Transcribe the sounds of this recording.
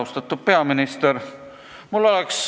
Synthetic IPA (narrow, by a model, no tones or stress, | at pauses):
ust̪ɑt̪ːˑud̪̥̚pe̞ɑminist̪eɾ | mulːo̞lɛks